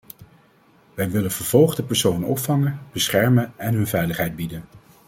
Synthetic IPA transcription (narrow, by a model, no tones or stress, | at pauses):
ʋɛjʋɪlənvəɹv̥ɔlˠχdəpɛɹsownɔ̰pfɑŋənb̥əsχɛɹmənɛnɦɵnvɛjləχɦɛjd̚bidən